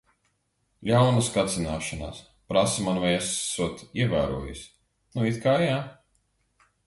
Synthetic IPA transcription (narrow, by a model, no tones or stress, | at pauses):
lʲawnaskat̪sinaːʃana̰s | pɾasimanvajɛsːuɔt̪iɛvæ̰ːɾṵɔjḭsʲ | nuit̪kajaː